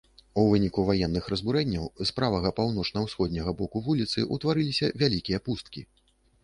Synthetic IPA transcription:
uvɨnʲikuvajɛnːɨxɾɐzbuɾɛnʲːɐwspɾavɐɣɐpawnɔt͡ʂnɐwsxɔd̪ʲnʲɐɣɐbɔkuvulʲit̪sɨ̰ʔut̪vaɾɨlʲisʲɐvʲalʲikʲijɐpust̪̚kʲḭ

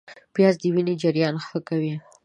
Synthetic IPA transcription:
pjɑzd̪əwined͡ʒaɾjɑnxəkawi

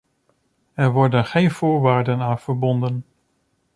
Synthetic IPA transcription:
ɛɹʋɔɹdənχejnv̥ʊːɹʋaːɹdənaːnv̥əɹbɔndən

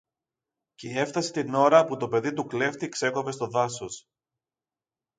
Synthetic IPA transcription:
ceie̞ft̪ɐse̞t̪ino̞ɾɐput̪o̞pe̞ðit̪ukle̞ft̪ikse̞ko̞pe̞st̪o̞ðɐsos

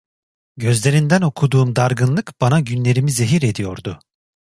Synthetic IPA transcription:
ɟøzlʲe̞ɾind̪æno̞kʰud̪uːmd̪aɾɡɯnlˠɯkb̥anaɟynlʲe̞ɾimize̞ɦiɾe̞d̪ijo̞ɾd̪ʊ

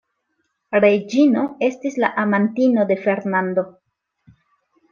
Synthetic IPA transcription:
ɾed͡ʒino̞e̞stislaʔamantino̞de̞fe̞ɾnando̞

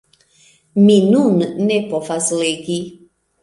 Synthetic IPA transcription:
minunnepofazleɡi

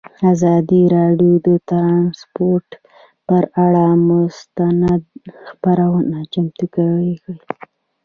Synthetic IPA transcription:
azɑd̪iɾɑɖjod̪ət̪ɾɑnspoɾʈ | pəɾaɽamʊst̪anad̪̚xpaɾawənat͡ʃamt̪ukawiki

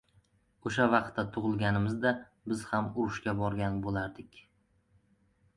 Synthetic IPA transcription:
oʃavɑqt̪ʰːat̪ʰʊʁɨlˠɡʲanɪmɪzd̪a | bɪz̥hamʊɾʊʃkʲabɒɾɡʲanbolaɾd̪ɪkʲ

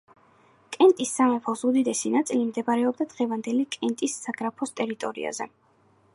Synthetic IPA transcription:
kʼɛnt̪ʼisːamɛpʰɔsud̪id̪ɛsinat̪sʼilimd̪ɛbaɾɛɔb̚d̪ad̪ʁɛvand̪ɛlikʼɛnt̪ʼisːaɡɾapʰɔst̪ʼɛɾit̪ʼɔɾḭa̰zɛ

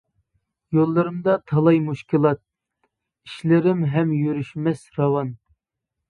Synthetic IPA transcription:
jolˠːɨɾɨmd̪ɑt̪ʰɑlˠɑjmuʃkʲilˠɑt̪̚ | iʃlɪɾɪmɦɛmjyɾyʃmɛsɾɑwɑn

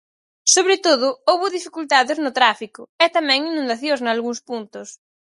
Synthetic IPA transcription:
soβɾɪt̪oðʊowβʊðifikult̪aðɪznʊt̪ɾafikʊɛt̪amɛ̃ŋinũnd̪aθjoznɐalɣuŋspunt̪ʊs

